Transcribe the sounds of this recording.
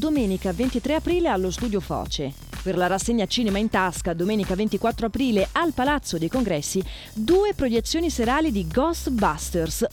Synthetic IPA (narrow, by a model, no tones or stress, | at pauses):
d̪omɛːnikavent̪it̪ɾeapɾiːlealːost̪uːd̪jofɔ̰ːt͡ʃe | perlaɾasːeɲːat͡ʃiːnemaint̪askad̪omɛːnikavent̪ikwat̪ːɾoapɾiːlealpalat̪sːod̪ejkoŋɡɾɛsːi | d̪uːepɾojet̪sːjoːniseɾaːlid̪iɡɔst̪bast̪ers